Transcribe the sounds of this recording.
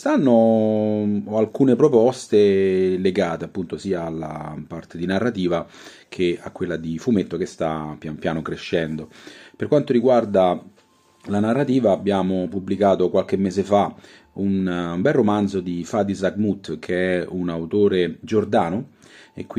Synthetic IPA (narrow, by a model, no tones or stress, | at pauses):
st̪anːo | ɔalkuːnepɾopɔst̪eleɡaːt̪eapːunt̪osiːaːlːa̰part̪ed̪inarːat̪iːva | kʰea̰kːwelːad̪ifumet̪ːokest̪apjanpjaːnokɾeʃːɛnd̪operkwant̪oɾiɡward̪a | lanarːat̪iːvaːbːjaːmopublikaːt̪okwalk̟emːeːzefa | unumbɛlrːomand̪zod̪ifad̪izaɡmut̪ːkʰeɛunawt̪oːɾed͡ʒord̪aːno | ḛkːw